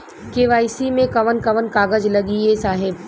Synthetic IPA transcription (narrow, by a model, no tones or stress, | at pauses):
keʋaːɪsimẽkɐʋənkɐʋənkaːɡəd͡ʒlɐɡiesaːɦɪb